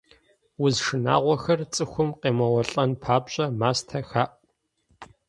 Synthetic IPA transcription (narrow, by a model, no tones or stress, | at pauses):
wʊzʂɨna̰ːʁʷɔxɐrt͡sʼɨxʷʊmqeːmɐwɔɬʼɐnpʰaːpɕʼɐmaːstʰɐxaːʔ